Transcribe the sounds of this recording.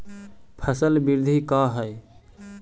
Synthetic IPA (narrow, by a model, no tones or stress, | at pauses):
pʰəsəlbɪɾd̪ʱikaːɦəj